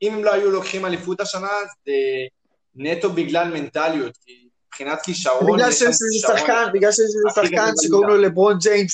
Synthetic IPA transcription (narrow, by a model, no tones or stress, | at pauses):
imemlo̞ajulo̞kχimalifut̪aʃanaze | net̪o̞biɡlalme̞nt̪alijot̪̚ki | mibpχinat̪kiʃaʁbobiɡlalʃejeʃizussaχkanbiɡlalʃejeʃ̬lizusaχkanʃekaʁunulebʁond͡ʒejn